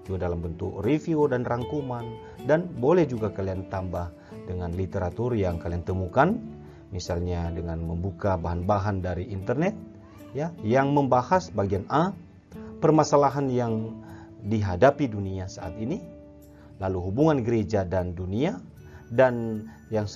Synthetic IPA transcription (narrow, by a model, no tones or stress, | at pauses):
d͡ʒuɡadalambənt̪ukrifiodanraŋkuman | danbolɛhd͡ʒuɡakaliant̪ambah | dəŋanlit̪eɾat̪urjaŋkaliant̪əmukan | misalɲadəŋanməmbukabaɦanbaɦandaɾiʔint̪ərnɛt̪̚ | jajaŋməmbahasbaɡiana | pərmasalaɦanjaŋ | diɦadapiduniasaʔat̪ini | laluɦubuŋanɡəɾed͡ʒadandunia | dan | jaŋ